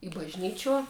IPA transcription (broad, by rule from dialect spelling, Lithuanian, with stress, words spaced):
ɪ bɐʒʲˈnʲiːt͡ʃʲuɔ